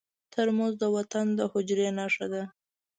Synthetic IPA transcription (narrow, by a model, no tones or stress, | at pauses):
t̪ʰəɾmozd̪əwat̪and̪əhʊd͡ʒɾenɑʂad̪a